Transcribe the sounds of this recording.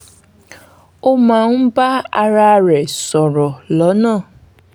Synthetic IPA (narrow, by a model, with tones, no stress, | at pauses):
o˦mã˨n̩˦ba˦a˧ɾa˧˦ɾɛ˨sɔ˨ɾɔ˨lɔ˨˦nãː˦˨